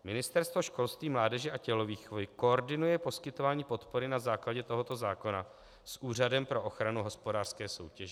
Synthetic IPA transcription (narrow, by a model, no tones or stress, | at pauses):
mɪnɪst̪ɛɾst̪vo̞ʃko̞lst̪viːmlaːdɛʒɛʔacɛlo̞viːxovɪko̞oɾdɪnujɛpo̞skɪt̪o̞vaːɲiːpo̞t̪po̞ɾɪnazaːklaɟɛt̪o̞ɦo̞t̪o̞zaːko̞na̰ | sʔuːr̝adɛmpɾo̞ʔoxɾanuɦo̞spo̞daːr̥skɛːso̞̰wcɛʒɛ